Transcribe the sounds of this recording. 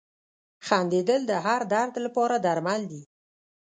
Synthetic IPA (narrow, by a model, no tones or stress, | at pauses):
xand̪ed̪əld̪əɦaɾd̪aɾd̪lapɑɾad̪aɾmald̪i